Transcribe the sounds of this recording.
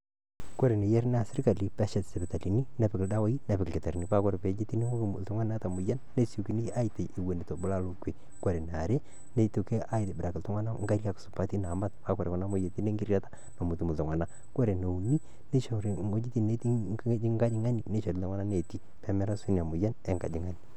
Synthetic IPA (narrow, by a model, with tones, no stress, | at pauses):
ko˦ɾe˨ne˨jɛ˦ɾn˦a˨sɪ˦ɾka˨li˦pɛ˦ʃɛ˨tsɛ˨bɛ˨ta˨li˨ni˦nɛ˦pɪ˨kɪ˨lda˦wa˦ji˦nɛ˨pɪ˨kkɛ˨ta˨ɾni˨˦pa˦kɔ˦ɾe˨pɛ˨˦d͡ʒe˦ti˦ni˦o˦˨ltɔ˦ŋa˦n˦a˦ta˨mʊ˨ja˦nːe˦su˨ki˦ni˦a˦ji˨te˨ʔɪ˨we˨ni˨to˨bʊ˦la˦lo˦ke˨ | ko˦ɾe˨n˨a˨ɾe˦ | ne˦˨˦tu˨ke˦ʔa˦jtbɪ˨ɾa˨kɪ˨ltɔ˦ŋa˦na˦ŋɡa˦ɾja˦ksʊ̥˨pa˦ti˦na˨ma˦t̚pa˦kɔ˨ɾe˨kɔ˨na˦mo˦je˨ti˦ne˦ŋɡi˦ɾja˦tḁ˦ | no˨mu˨tu˨mu˨tɔ˨ŋwa˨na˦ | ko˦ɾe˨no˨u˨ni˦ | ne˦ʃo˨ɾo˦d͡ʒi˦ti˦˨ne˦ti˦d͡ʒi˦ŋɡa˦d͡ʒɪ˦ŋa˦ni˨ne˦ʃo˨ɾi˨ltŋa˦na˦ne˨ti˦ | pɛ˦mɛ˦ɾa˦su˦n˨a˨mʊ˨ja˦nɛ˦ŋɡa̰˨d͡ʒɪ˨ŋa˦ni